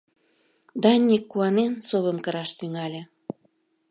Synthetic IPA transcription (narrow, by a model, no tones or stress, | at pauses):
d̪ɑnʲːikːuɑnensoβəmkəɾɑʃt̪yŋɑlʲĕ